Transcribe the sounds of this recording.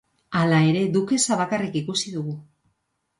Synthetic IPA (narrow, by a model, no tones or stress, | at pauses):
alae̞ɾe̞d̪uke̞saβakarikikusiðuɣu